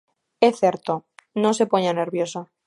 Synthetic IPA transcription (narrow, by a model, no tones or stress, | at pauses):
eθeɾt̪onose̞poɲane̞ɾβjo̞sa